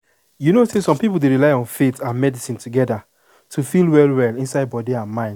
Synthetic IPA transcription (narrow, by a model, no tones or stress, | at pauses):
junosesɔ̃mpipl̩ˠdeɹilaɪɔ̃nfetãnmɛdisĩntʰuɡɛda | tʰufilˠwɛlˠwɛlĩnsaɪd̚bɔdiãnmãɪ̃nd